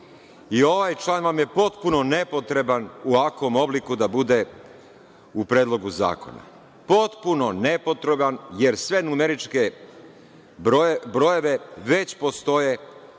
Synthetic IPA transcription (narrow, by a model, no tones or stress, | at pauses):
io̞ʋajt͡ʃlˠaːnʋamje̞po̞t̪puno̞nepo̞t̪ɾe̞banuʋako̞mo̞blikud̪abud̪e̞ | upɾeːd̪lˠo̞ɡuza̰ːko̞̰na̰ | po̞t̪puno̞ne̞po̞t̪ɾe̞banje̞ɾsʋenumeɾit͡ʃke | bɾoje̞ʋe̞ʋe̞t͡ɕpo̞st̪o̞je̞